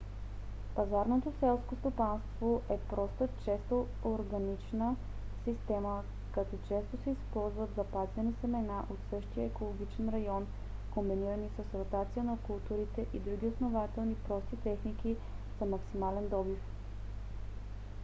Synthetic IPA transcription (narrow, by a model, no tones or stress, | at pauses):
pɐzaɾnot̪osɛlˠskost̪opanst̪voʔɛpɾɔst̪ət͡ʃɛst̪o | oɾɡɐnit͡ʃnə | sist̪ɛmə | kɐt̪ɔt͡ʃɛst̪osɛispɔlˠzvət̪zɐpazvɛnisɛmɛnaʔot̪sɤʃt̪ijəɛkolˠoɡ̟ʲit͡ʃɛnɾɐjɔn | kombiniɾənisəsɾot̪at̪sijənɐkulˠt̪uɾit̪ɛʔid̪ɾuɡ̟ʲiosnovat̪ɛlˠnipɾɔst̪it̪ɛxniki | z̥ɐmɐksimalɛnd̪ɔbif